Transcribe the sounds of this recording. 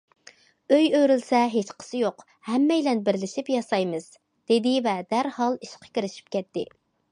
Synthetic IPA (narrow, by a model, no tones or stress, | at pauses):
øjøɾylsɛɦet͡ʃqʰə̥sɨjoq | hɛmːɛjlɛnbɪɾlɪʃipjɑsɑjmɨz̥ | d̪̥ed̪ɪvɛd̪æɾhɑlˠiʃqʰɑ̥kʲiɾɪʃi̥p̚kʲʰɛt̪ːɪ̰